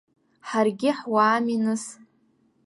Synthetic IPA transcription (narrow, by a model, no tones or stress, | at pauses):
ħarɡʲɪħwaːminɨs